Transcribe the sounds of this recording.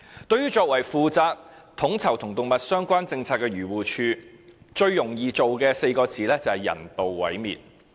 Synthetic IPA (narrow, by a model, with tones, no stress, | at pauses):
t̪ɵ˧ɥyː˥t͡ʃɔː˧k̚wɐ˨˩jfuː˨˧t͡saː˧k̚ | t̪ʰʊ˨˥ŋt͡sʰɐ˨˩wt̪ʰʊ˨˩ŋt̪ʊ˨ŋmɐ˨t̚sœː˥ŋkʷaː˥nt͡sɪ˧ŋt͡sʰaː˧t̚kːɛː˧ɥyː˨˩wuː˨t͡ʃʰyː˧ | t͡ʃɵ˧ɥjʊ˨˩ŋjiː˨t͡so˨wkɛː˧se˧jkɔː˧t͡siː˨˥lɛː˥t͡sɐ˨˩hɐ˨jɐ̰˨˩nt̪o˨wːɐ̰˨˥jmḭː˨t̚